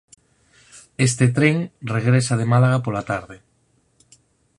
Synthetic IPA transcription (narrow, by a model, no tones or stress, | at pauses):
est̪et̪ɾeŋreɣɾesað̞emalaɣapolat̪aɾðe